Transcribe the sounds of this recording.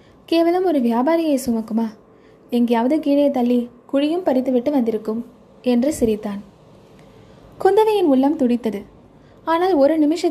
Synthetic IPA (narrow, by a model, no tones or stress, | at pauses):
keːʋɐlɯmɔɾɯʋɪjaːbaːɾɪjɐsʊmɐkːɯmaː | ɛŋɡɐjaːʋɐðɯkiːɻɐjɐt̪ːɐlːikʊɻɪjɯmpɐɾɪt̪ːɯʋɪʈːɯʋɐnd̪ɪɾɯkːɯm | ɛndrɯsɪɾɪt̪ːaːn | kʊnd̪ɐʋɐjɪnʊɭːɐmt̪ʊɽɪt̪ːɐðɯ | aːnaːlɔɾɯnɪmɪʂɐ